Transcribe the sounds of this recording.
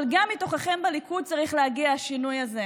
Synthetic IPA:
lɡamːito̞χaχe̞mbalikud̪̚t͡saʁiχleɦaɡiaaʃinujaze

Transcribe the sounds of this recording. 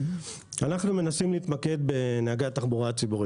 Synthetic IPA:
anaχnume̞nasimliːt̪make̞d̪̚be̞neaɡat̪aχbuʁat͡sibuʁi

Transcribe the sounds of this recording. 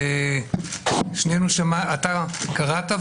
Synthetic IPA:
e | ʃnenuʃemaat̪akaʁat̪a

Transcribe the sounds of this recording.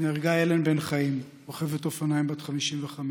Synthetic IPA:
neʁɡajelenbenχaim | oχevetofanajimbat̪χamiʃimveχam

